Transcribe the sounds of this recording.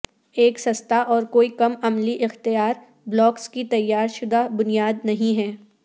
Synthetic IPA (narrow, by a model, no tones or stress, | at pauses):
eːksɐst̪aʔɔːɾkoːikɐmɐmliʔɪxt̪ijaːɾ | blɔːkskit̪ɐjːaːɾʃʊd̪abʊnijaːd̪nɐɦĩɦɛː